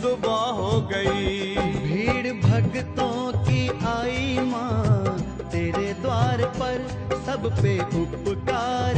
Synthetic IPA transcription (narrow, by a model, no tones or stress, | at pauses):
d̪ʊbaːɦoːɡɐibʱiːɽbʱɐɡt̪õkiːaːimãː | t̪eːɾed̪ʋaːɾpɐɾ | sɐbpeːʔʊpkaːɾ